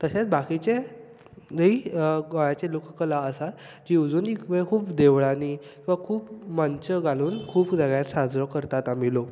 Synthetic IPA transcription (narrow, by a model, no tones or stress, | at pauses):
t̪əɕat͡sbakit͡ɕe | d͡zəiɡɔjat͡ɕelokkəlaəsat̪ | d͡ʑiud͡zuːnikbəɭekʰuːpd̪eʋɭanikĩʋakʰuːpmant͡ɕəɡaluːnkʰuːpd͡zəɡjat̪sad͡zɾɔkəɾt̪at̪am̤ilok